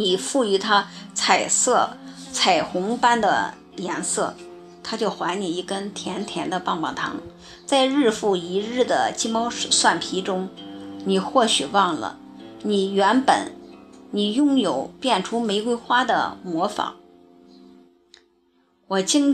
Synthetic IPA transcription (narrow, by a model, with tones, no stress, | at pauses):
ni˨˩fu˥˩y˧˥t̪ʰa˥t͡sʰa˨˩ɪsɤ˥˩t͡sʰa˨˩ɪxʊ˧˥ŋpa˥nd̪ə̰˨ | jɛ˧˥nsɤ˥˩ | t̪ʰa˥t͡ɕjo˥˩ʊxwa˧˥ɪni˨˩i˥˩kə˥nt̪ʰjɛ˧˥nt̪ʰjɛ˧˥nd̪ə˧pɑ˥˧ŋpɑ̰˨˩ŋt̪ʰɑ̰˧˥ŋ | t͡sa˥˧ɪɻɻ̩˥˧fu˥˩i˧˥ɻɻ̩˥˩d̪ə̰˩t͡ɕi˥mɑ˥ʊ˧ʂwa˥˩npʰi˧˥ʈ͡ʂʊ˥ŋni˨˩xwɔ˥˩ɕy˨˩wɑ˥˩ŋlə̰˩ | ni˨˩ɥɛ˧˥npə̰˨˩˦nni˨˩jʊ˥˧˩ŋjo˨˩˦ʊpjɛ˥˩nʈ͡ʂʰu˥me˧˥ɪkwe˥ɪxwa˥d̪ə̰˨mwɔ˧˥fɑ̰˧˥˦ŋ | wɔ˨˩t͡ɕi˥ŋ